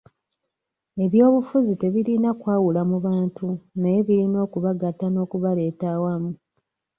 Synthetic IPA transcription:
e̞βjo̞ːβufuzite̞βiɾinakwaːwulamuβaːntunajeβiɾino̞ːkuβaɡatano̞ːkuβale̞ːtaːwamu

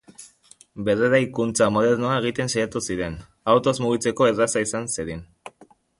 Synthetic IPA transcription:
be̞reɾajkunt͡samo̞ð̞e̞ɾnoaeɣ̞it̪e̞nsajat̪usiɾe̞n | awt̪o̞zmuɣ̞it͡se̞ko̞erasaisanseɾin

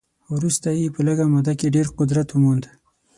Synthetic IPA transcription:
wɾust̪ajepələɡamad̪akeɖeɾqʊd̪ɾat̪wəmond̪

